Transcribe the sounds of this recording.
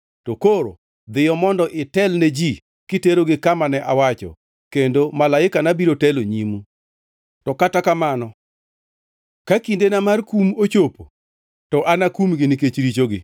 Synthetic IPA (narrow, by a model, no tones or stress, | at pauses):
tokoɾo̰ | d̪ɪjɔmɔndɔʔɪtɛlned͡ʒi | kɪteɾoɡɪkamanɛʔawat͡ʃɔ̰ | kendomalaɪkanabiɾotɛloɲimu | tɔkatakamanɔ | kakindenamarkumot͡ʃopo | tɔʔanakumɡɪnɪket͡ʃɾit͡ʃoɡɪ